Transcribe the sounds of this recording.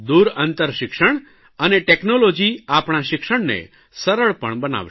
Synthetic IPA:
d̪uɾənt̪əɾʃɪkʃəɳ̃ | əneʈeknolod͡ʒiapɽ̃aʃɪkʃəɳnḛ | səɾəɭpəɳbəna̰ʋ

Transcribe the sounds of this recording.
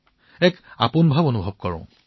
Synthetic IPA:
ɛka̰punbʱabonubʱɔb̚kɔɹɔ̰̃

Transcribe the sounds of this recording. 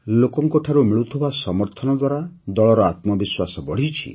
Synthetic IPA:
lokɔŋkɔʈʰaɾumiɭut̪ʰibasɔmɔɾt̪ʰɔnɔd̪waɾad̪ɔɭɔɾɔat̪mɔbiswasɔbɔɽ̤it͡ʃʰḭ

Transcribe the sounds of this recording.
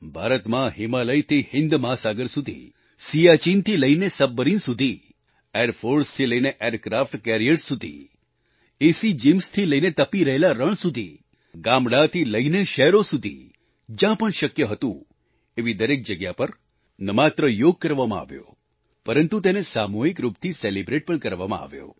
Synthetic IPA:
bʱaɾət̪mãɦimaləjt̪ʰihɪnd̪masaɡəɾsud̪ʱḭ | siat͡ʃint̪ʰiləinesəbːəɾinsud̪ʱi | eɾfʰoɾst̪ʰiləineʔeɾkɾafʈkɛɾiəʈsud̪ʱḭ | esid͡ʒimst̪ʰiləinet̪əpiɾəɦelaɾəɳ̃sud̪ʱḭ | ɡamɽat̪ʰiləineʃɛɦɾosud̪ʱḭ | d͡ʒjãpəɳʃəkjəɦət̪ũ | eʋid̪əɾek̚d͡ʒəɡjapəɾ | nəmat̪ɾəjoɡ̚kəɾʋamãa̰ʋjo̰ | pəɾənt̪ut̪̬enesamoɦikɾupt̪ʰiselibɾeʈ̚pəɳkəɾʋa̰mã̰a̰ʋjo̰

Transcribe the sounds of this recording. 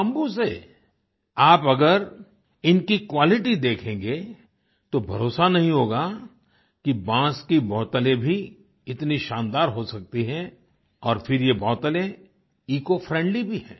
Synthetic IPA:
ɐ̃mbuse | aːpɐɡəɾ | ɪnkikwaːlɪʈid̪eːkʰẽːŋɡe | t̪obʱɐɾoːsanɐɦĩɦoːɡa | kibãːskibɔːt̪əlẽbʱi | ɪt̪niʃãːnd̪aːɾɦosɐk̚t̪iɦɛ̃ | ɔːɾfʰɪɾjebɔːt̪əlẽ | iːkofɾɛ̃ːɳɖlibʱiɦɛ̰̃ː

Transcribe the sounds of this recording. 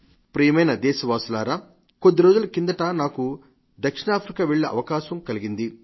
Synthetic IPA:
pɾijɐmɐjnɐd̪ɛːʃɐʋaːsulaːɾaː | kod̪ːiɾo̞ːd͡ʒulɐkind̪ɐʈaːnaːku | d̪ɐkʂiɳaːpʰɾikaːʋɛɭːɐʔɐ̰ʋɐkaːʃɐmkɐliɡind̪i

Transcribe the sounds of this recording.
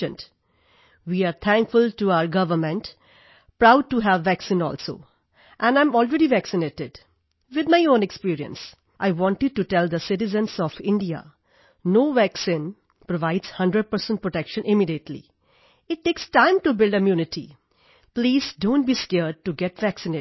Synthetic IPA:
ə̃nt | ʋiːaɾt̪ʰæ̃ŋkfʊlʈuaʊəɾɡʌʋəɾmə̃nʈ | pɾaʊɖ̚ʈuɦæʋːæksĩnɔ̰ːlso̰ː | ʔɛ̃nãɪ̃mɔːlɹɛɾiʋæksɪneːʈɪɖ | ʋɪd̪̚maɪõːnekspiːɾiə̰̃ns | ʔaɪʋɔ̃nʈɪɖ̚ʈuʈɛld̪əsɪʈɪzə̃nsɔfɪ̃ɳɖia̰ | noːʋæksĩn | pɾoʋaɪdz̥hʌ̃ndɾəɖ̚pəɾsə̃n̚pɹoʈɛkʃə̃nʔɪmiɖiəʈʰlḭ | ɪʈːeːksʈãɪ̃mʈubɪlɖəmjuːnɪʈḭ | pliːzdõːnʈ̚biskɛɾɖ̚ʈuɡɛʈʋæksɪ̃ne

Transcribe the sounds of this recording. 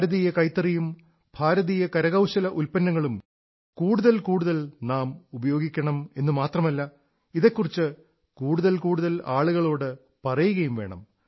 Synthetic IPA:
ɾɐðijɐkɐjt̪ːɐrijum | b̥ʱaːɾɐðijɐkɐɾɐɣɐwɕɐlɐʔulpɐnːɐŋːɐɭum | kuːɽuðɐlkuːɽuðɐlnaːmubɐjo̞ːɡikʲːɐɳɐme̞nːɨmaːt̪rɐmɐlːɐ | iðekːurit͡ɕːɨ | kuːɽuðɐlkuːɽuðɐlaːɭuɣɐɭo̞ːɽɨ | pɐrɐjuɣɐjumʋe̞ːɳɐ̰m

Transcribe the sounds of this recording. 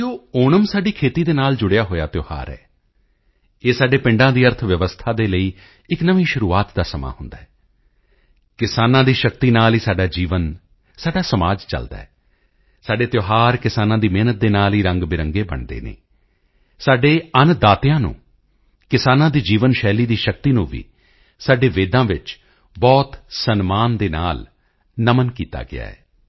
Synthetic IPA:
oːoːnəmsaːɖiːkʰeːt̪iːd̪eːnaːld͡ʒʊɽejaːɦoːja̰ːt̪ɪjoːha̰ːɾɛ̰ː | eːsaːɖeːpɪ̃ɳɖãːd̪iːəɾt̪ʰʋjəʋəst̪ʰaːd̪eːləiː | ɪknəʋĩːʃʊɾuːaːt̪d̪aːsəma̰ːhʊnd̪aːɛː | kɪsaːnãːd̪iːʃək̚t̪iːnaːliːsaːɖaːd͡ʒiːʋən | saːɖaːsəmaːd͡ʒt͡ʃə̰ld̪a̰ːɛ | saːɖeːt̪joːɦaːɾkɪsaːnãːd̪iːmeːnət̪̚d̪eːnaːliːɾə̃ŋɡbɪɾəŋɡeːbə̰ɳd̪ḛːnḛ̃ː | saːɖeːənd̪aːt̪ɪjãːnṵ̃ː | kɪsaːnãːd̪iːd͡ʒiːʋənʃɛːliːd̪iːʃək̚t̪iːnũːʋḭː | saːɖeːʋeːd̪ãːʋɪt͡ʃ | bɔːt̪sənmaːnd̪eːna̰ːl | nəmənkiːt̪a̰ːɡɪ̰a̰ːɛ̰ː

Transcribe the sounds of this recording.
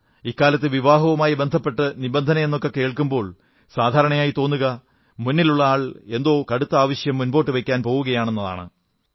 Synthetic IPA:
ikːaːlɐt̪ːɨʋiʋaːɦɐʋɐmaːjibe̞nd̪ʱɐpːe̞ʈːɨnibend̪ʱɐnɐme̞nːokːe̞ke̞ːɭkumbo̞ːɭ | saːd̪ʱaːɾɐɳɐjaːjit̪o̞ːnːuɣɐ | munːiluɭːɐaːɭe̞nd̪o̞ːkɐɽut̪ːɐaːʋɐɕjɐmːunbo̞ːʈːɨʋekʲːaːnpo̞ːwuɣɐjaːɳe̞nːɐða̰ːɳɨ̰

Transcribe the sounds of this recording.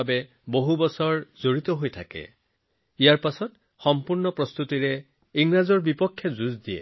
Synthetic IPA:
be | boɦubɔsɔɹzoɹit̪ɔɦojtʰakḛ | ijaɹpasɔt | xɔmpuɹnɔpɹɔst̪utiɹe | iŋɹazɔɹbipɔkʰːjɔzuzd̪iḛ

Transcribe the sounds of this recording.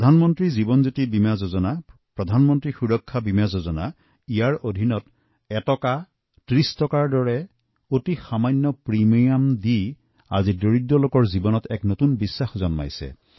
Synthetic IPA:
ɔdʱanmɔntɹizibɔnzotibimazozɔnapɹɔdʱanmɔntɹixuɹɔkʰːabimazozɔna̰ | ijaɹodʱinɔt | ɛtɔka | tɹistɔkaɹdɔɹɛ | otixamanːɔpɹimijamdi | a̰zidoɹidːɔlokɔɹzibɔnɔtɛknotunbisːaxzɔnma̰jsɛ̰

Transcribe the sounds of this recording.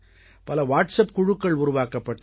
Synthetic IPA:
pɐlɐʋaːʈsɐp̚kʊɻʊkːɐɭʊɾʊʋaːkɐpːɐʈː

